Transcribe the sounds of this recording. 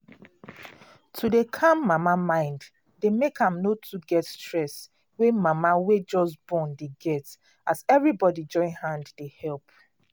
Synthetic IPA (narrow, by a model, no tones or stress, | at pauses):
tʰudekʰãmːamamãɪ̃nd | demekʰãmnotʰuɡɛtstɹɛs | wemamawed͡ʒɔsbɔ̃ndeɡɛt | azɛvɹibɔdid͡ʒɔ̃ɪ̃nhãnddehɛlˠp